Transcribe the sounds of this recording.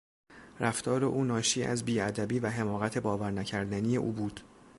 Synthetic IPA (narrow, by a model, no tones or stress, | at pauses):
ɾʔæft̪ʰɒːɾe̞ʔuːnɒːʃiːʔæ̰zbiːæd̪æbiːvæɦe̞mɒːɣæt̪ʰe̞bɒːvæɾnæcʰæɾd̪ænije̞ʔuːbuːd̪̥